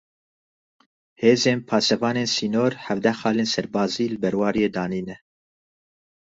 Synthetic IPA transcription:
heːzeːnpʰɑːsɛvɑːneːnsiːnoːɾhɛvd̪ɛxɑːleːnsɛɾbɑːziːlɨbɛɾwɑːɾijeːd̪ɑːniːnɛ

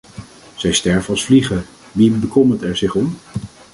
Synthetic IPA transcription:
z̥ɛjstɛɹvənɑlˠsfliχə | ʋibəkʰɔmətɛɹzɪχɔm

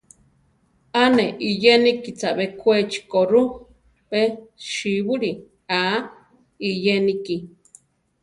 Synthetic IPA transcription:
aneʔijenikit͡saβekʷet͡ʃi̥koɾu | peʃiβuɾi | a | ijeniki

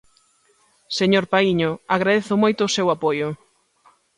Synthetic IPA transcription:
seɲoɾpaiɲʊaɣɾaðeθʊmojt̪ʊːsewapojʊ

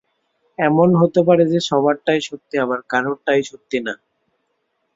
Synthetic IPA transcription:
ɛmonɦot̪ep̬aɾed͡ʑeʃɔβaɾʈajʃot̪ːiabaɾkaɾoʈajʃot̪ːina

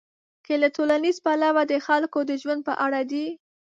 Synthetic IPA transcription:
t͡ʃelatolanizpalawad̪əxalkod̪əʒwand̪̚pə̰ʔaɽad̪i

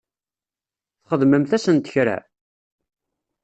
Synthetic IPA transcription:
θχəðməmθæsənt̪ə̥çɾæ̰

